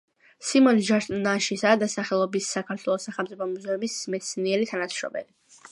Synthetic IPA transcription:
simɔnʒaɾt̪ʼnaʃisad̪asaχɛlˠɔbisːakʰaɾt̪ʰwɛlˠɔsːaχɛlmt̪sʼipʰɔmuzɛumismɛt̪sʰniɛɾit̪ʰanat̪sɾɔ̰bɛ̰li

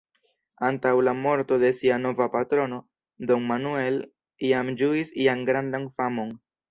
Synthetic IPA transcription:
antawlamo̞ɾto̞de̞siano̞vapatɾo̞no̞ | d̪o̞nmanue̞l | iamd͡ʒuisiaŋɡɾandaŋfamo̞ŋ

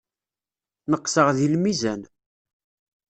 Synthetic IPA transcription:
nəqːsəʁðilmizæn

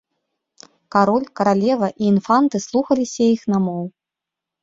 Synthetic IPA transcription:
kaɾɔlʲkɐɾalʲɛvɐʔiːnfant̪ɨslˠuxɐlʲisʲɐjixnamɔw

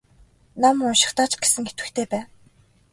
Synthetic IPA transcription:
namʊnʃɪ̥̆χt̪aːt͡ɕɡ̥e̥sɘ̆ŋxet̪wɘ̆xt̪ʰeːpæːn

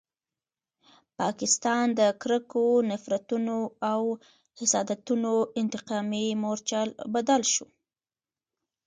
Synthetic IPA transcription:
pɑkɪst̪ɑnd̪əkɾəkonafɾat̪unoaw | hɪsɑd̪at̪unoɪnt̪ɪqɑmimoɾt͡ʃalbad̪alʃu

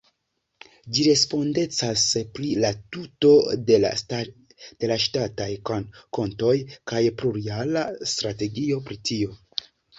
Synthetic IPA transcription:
d͡ʒiɾe̞spo̞nde̞t͡saspɾilatuto̞dela̰ | d̥e̞laʃtatajkonko̞nto̞jkajpluɾialastɾate̞ɡio̞pɾitio̞

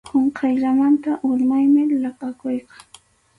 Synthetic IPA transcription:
qoɴqʰɑjʎamant̪aʔʊʎmajmɪlɑqʼɑkʊjqɑŋ

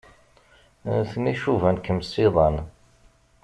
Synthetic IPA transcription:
θniʃuvænkəmsiðˤɑn

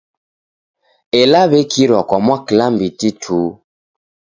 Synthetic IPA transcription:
elaβekiɾɔkɔmwakilambititʰu

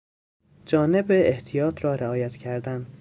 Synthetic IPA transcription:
d͡ʒɒːne̞beːht̪ʰijɒːt̪ʰɾɒːɾeɒːjæt̪ʰcʰæɾd̪æn

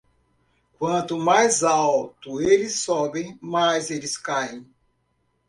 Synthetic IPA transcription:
kwɐ̃nt̪ʊmajzawt̪ʊelɪsɔbẽj̃majzelɪskaẽj̃

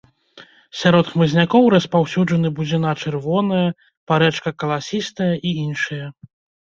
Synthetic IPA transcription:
sʲaɾɔt̪xmɨzʲnʲakɔwɾɐspawsʲuʐɐnɨbud͡zʲɛnat͡ʂɨrvɔnɐjɐ | paɾɛt͡ʂkɐkɐlˠasʲist̪ɐjɐʔiinʂɨjɐ

